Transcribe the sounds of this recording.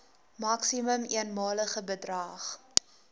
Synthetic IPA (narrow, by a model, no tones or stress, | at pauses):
mɐksiməmiənmɑːləχəbədrɐːχ